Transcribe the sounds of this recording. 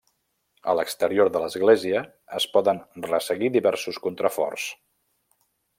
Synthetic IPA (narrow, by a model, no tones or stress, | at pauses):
ə̰ləkst̪əɾioɾðələzɣleziəː | spɔðənrəsəɣiðiβɛɾsuskunt̪ɾəfɔ̰rs